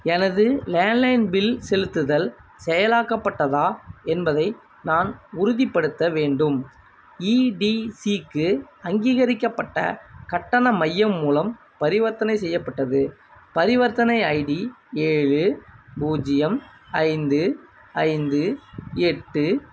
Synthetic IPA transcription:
ɛnɐðɯleːnlɐɪnbɪlsɛlɯt̪ːɯðɐlsɛjɐlaːkːɐpːɐʈːɐðaːɛnbɐðɐɪ | naːnʊɾʊðɪpːɐɽɯt̪ːɐʋeːɳɖɯm | iːɖisikːɯɐŋɡiːɣɐɾɪkːɐpːɐʈːɐ̰kɐʈːɐnɐmɐjːɐmːuːlɐm | pɐɾɪʋɐɾt̪ːɐnɐɪsɛjːɐpːɐʈːɐðɯpɐɾɪʋɐɾt̪ːɐnɐɪɐɪɖieːɻɯbuːd͡ʒɪjɐmɐɪnd̪ɯ | ɐɪnd̪ɯɛʈːɯ

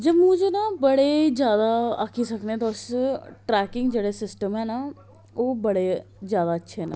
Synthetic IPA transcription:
d͡ʒəbmũːd͡ʒeːnaːbəɽed͡ʒjaːd̪aːəkʰisəknet̪oʊsʈɾɛːkɪŋɡd͡ʒeːɽeːsɪsʈəmɦɛːna | oːbəɽeː | zjaːd̪aːətːʃʰeɦːna̰

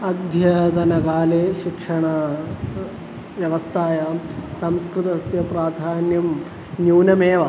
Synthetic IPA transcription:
ɐd̪ʱjɐt̪ɐnɐɡaːleːʃikʂɐɳɐ | ʋjɐʋɐst̪ʰaːjaːmsɐmskɾɨt̪ɐsjɐpɾaːd̪ʱaːnjɐm | njuːnɐmeːʋɐ

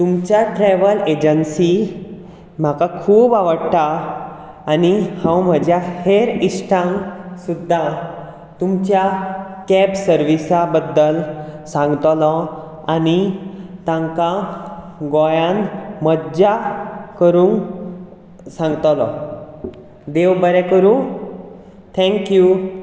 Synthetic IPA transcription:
t̪umt͡ɕjaʈɾɛʋəled͡ʑənsi | m̤akakʰuːbaʋəɽt̪aː | nihãwm̤əd͡ʑʱjaheɾisʈʰãŋsud̪ʱːa | t̪umt͡ɕjakɛpsəɾʋisabəd̪ːəlsãŋɡt̪lɔ | anit̪ãŋka | ɡɔjãnməd͡ʑakəɾũːn | sãŋɡt̪lɔ | d̪eʋbəɾɛkəɾũ | t̪ʰɛ̃ŋkju

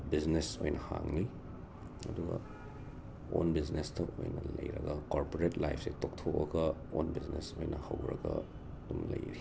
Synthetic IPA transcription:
biznesojnʔɐhaŋli | ɐduɡɐ | onbiznestʰɐʔojnɐlɐjɾɐɡɐkoɾpoɾetlajpʰsetʰoktʰok̚ɐɡɐonbiznesojnɐhɐwɾɐɡɐ | dumlɐjɾi

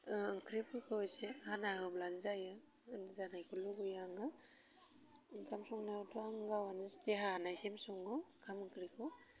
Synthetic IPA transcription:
ɯŋkʰɾipʰɯkʰɯɔjsehanaɦɯblanzajɯ | nzanajkʰuluɡɯjaŋɡa | kʰamsɔŋnatʰɔaŋɡawanisteɦaanajsemsɔŋɯkʰamɯŋkʰɾikʰɔ

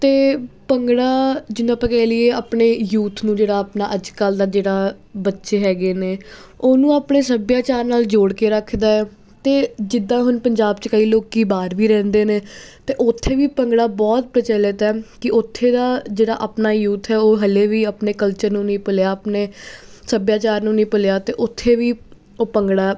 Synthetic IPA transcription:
t̪eːpəŋɡɽaːd͡ʒɪnũːaːpɛ̃ːkɛːlɪeːaːpɳeːjuːt̪ʰnũːd͡ʒeːɽaːapnaːʔəd͡ʒkaːld̪aːd͡ʒeːɽaː | bətːʃeːɦɛːɡeːneː | oːnũːaːpɳeːsəbjaːt͡ʃaːɾnaːld͡ʒoːɽkeːɾəkʰd̪aːɛː | t̪eːd͡ʒɪd̪ːãːɦʊnpəɲd͡ʒaːbt͡ʃkəiːloːkiːbaːɾʋiːɾɛ̃ːnd̪eːneːt̪eːʔʊt̪ʰːeːʋiːpəŋɡɽaːbɔːt̪̚pɾət͡ʃələt̪ɛːkɪʔʊt̪ʰːeːd̪aːd͡ʒeːɽaːʔəpnaːjuːt̪ʰɦɛːoːɦəleːʋiːapneːkəlt͡ʃəɾnũːnĩːpəljaːəpneːsəbjaːt͡ʃaːɾnũːnĩːpəljaːt̪eːʔʊt̪ʰːeːʋiː | oːpəŋɡɽaː

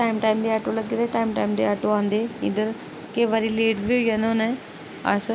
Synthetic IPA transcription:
ʈaːɪmʈaːimd̪eɛːʈoləɡiːd̪aːʈaːimʈaːimd̪eɛːʈoãːnd̪eːɪ̰d̪əɾ | keʋaːɾileːʈbiʊjanõnɛ̃ | ə̰s

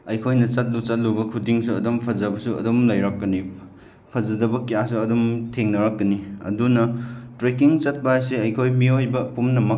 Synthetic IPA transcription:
ɐjkʰojnɐt͡ʃɐt̚lut͡ʃat̚lubɐkʰudiŋsuɐ̰dɔmpʰɐzɐbɐsuɐ̰dɔmlɐjɾak̚ːɐni | pʰɐzɐdɐbɐkijasuɐdɔmtʰeŋnɐɾak̚ːɐniɐ̰dunɐtɾekiŋt͡ʃɐt̚bajaseɐjkʰojmiojbɐpumnɐmɐ

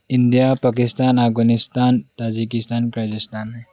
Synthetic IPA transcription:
ɪnd̪ijapakist̪aːnafɡanist̪aːnt̪aːd͡ʒikist̪aːnkɾad͡ʒist̪aːnme

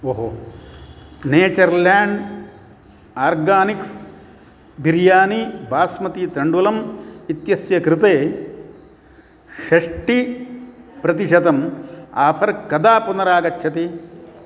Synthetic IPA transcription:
oːɦo | neːt͡ʃɐɾlaːɳɖ | aːɾɡaːniks | biɾjaːnibaːsmɐt̪it̪ɾɐɳɖulɐmit̪jɐsjɐkɾɪt̪eː | ʃɐʂʈi | pɾɐt̪̬iʃɐd̪ɐma̰ːpʰɐɾkɐd̪aːpunɐɾaːɡɐt͡ʃːʃʰɐt̪i

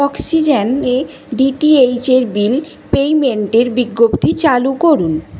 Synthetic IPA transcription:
ɔksid͡ʑene | ɖiʈiejt͡ɕeɾbil | pejmeɳʈeɾbiɡːopt̪it͡ɕalukoɾun

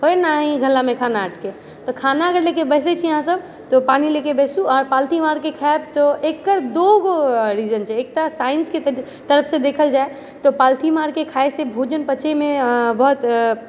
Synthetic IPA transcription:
ɦoenaɦĩɡʱəlːamẽkʰanaːʈke | t̪ɔkʰanaəɡəɾlekebɛɦs̬et͡ʃʰijəɦãsəb | t̪ɔpanilekebɛsũɔːɾpalt̪ʰimaɾkekʰaeb̚t̪ɔekːəɾd̪oɡoɾid͡ʒənt͡ʃʰɛek̚t̪asainske | t̪əɾəpʰsed̪ekʰəld͡ʒae | t̪ɔpalt̪ʰimaɾkekʰaesebʱod͡ʒənpət͡ʃemẽbɔɦt̪

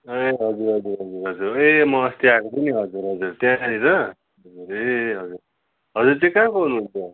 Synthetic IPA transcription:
eɦʌd͡zuɾɦʌd͡zuɾɦʌd͡zurɦʌd͡zuɾemʌːst̪iakopʌniɦʌd͡zuɾɦʌd͡zurt̪jãniɾʌ | ɦʌd͡zuɾeɦʌd͡zur | ɦʌd͡zurt̪ĩkakoɦunuɦunt͡sʰʌ

